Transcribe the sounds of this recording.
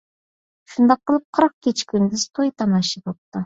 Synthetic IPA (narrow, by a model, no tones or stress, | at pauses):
ʃund̪ɑqːəlˠɨp̚qʰəɾɑq̚kʲʰet͡ʃkʲʰynd̪ɪzt̪ʰojt̪ʰɑnɑʃibop̚t̪ʊ